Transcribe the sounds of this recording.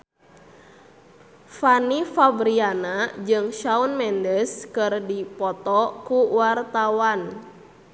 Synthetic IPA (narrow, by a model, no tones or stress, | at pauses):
fanifabɾianad͡ʒɨŋʃaunmɛndəskɨrdipɔt̪ɔkuwart̪awan